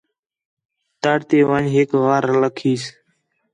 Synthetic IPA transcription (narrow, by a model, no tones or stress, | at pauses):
t̪əɽt̪eːʋãːɲɦeːkʋaːɾləkʰiːs